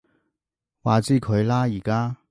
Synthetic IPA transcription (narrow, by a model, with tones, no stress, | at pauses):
waː˨t͡siː˥˩kʰɵ˨˧ɥlaː˥jiː˨˩kaː˥